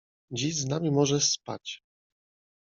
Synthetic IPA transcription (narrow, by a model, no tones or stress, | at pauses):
d͡ʑiʑznamʲimɔʐɛspa̰t͡ɕ